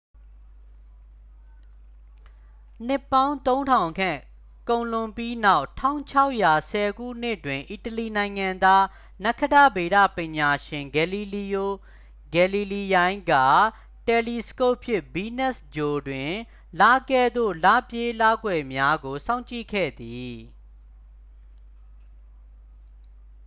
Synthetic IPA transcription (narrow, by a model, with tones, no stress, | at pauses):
n̥ɪ˦˨pːã˦ʊ̃t̪õ˦ʊ̃ntʰã˨ʊ̃kʰã̰˦˨ | kõ˨ʊ̃lʊ̃˨mpji˦na˦ʊʔtʰã̰˦˨ʊ̃t͡ɕʰa˦ʊʔja˨sɛ˨ɡṵ˦˨n̥ɪ˦ʔtwɪ̃˨ʔi˨təli˨nã˨ɪ̃ŋã˨nd̪a˦ | nɛ˦kʰːə˦dä˦˨be˨ɾä̰˦˨pɪ̃˨ɲa˨ʃɪ̃˨ŋɡɛ˨li˨li˨jo˦˨ | ɡɛ˨li˨li˨jã˦ɪ̃ŋɡa̰˦˨ | tɛ˨li˨sə̥ko˦˨ʔpʰjɪ˦ʔbi˦nɛ˦˨sd͡ʑo˨dwɪ̃˨ | la˦kɛ˦˨d̪o̰˦˨la˦˨pje˦la˦ɡwɛ˨mja˦ɡo˨sã˦ʊ̃ɲt͡ɕḭ˦˨kʰɛ̰˦˨d̪i˨